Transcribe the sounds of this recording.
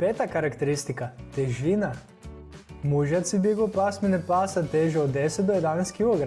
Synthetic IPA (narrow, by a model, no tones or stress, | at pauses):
pet̪akaɾakt̪eɾist̪ikat̪ɛʒʋina | muʒjat̪sibiɡopasmɛnɛpaːsat̪eʒɛod̪ːesɛt̪d̪ɔjɛd̪anɛjst̪kilˠoɡɾ